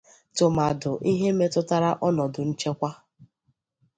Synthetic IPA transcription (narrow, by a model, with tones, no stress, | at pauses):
tʊ˨ma˨dʊ˨ʔi˦ɦe˦me˦tʊ˦ta˦ɾa˦ʔɔ˦nɔ˨dʊ˨n̩˦t͡ʃe˦kʷa˦